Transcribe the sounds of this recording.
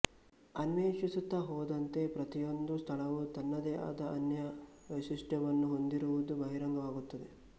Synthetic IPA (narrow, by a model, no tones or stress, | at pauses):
ɐnʋeːʂisut̪ːɐɦɔːd̪ɐnt̪e̞pɾɐt̪ijo̞nd̪ust̪ʰɐɭɐʋut̪ɐnːɐd̪ɛːʔa̰ːd̪ɐʔɐnjɐ | ʋeʃisʈɐʋɐnːuɦo̞nd̪iɾuʋud̪ubɐɦiɾɐŋɡɐʋaːɡut̪ːɐd̪e̞